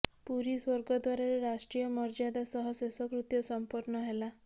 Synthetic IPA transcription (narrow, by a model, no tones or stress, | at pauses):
puɾiswɔɾɡɔd̪waɾaɾeɾaʂʈɾijɔmɔɾd͡ʒad̪asɔɦɔsesɔkɾut̪jɔsɔmpɔɾnɔɦela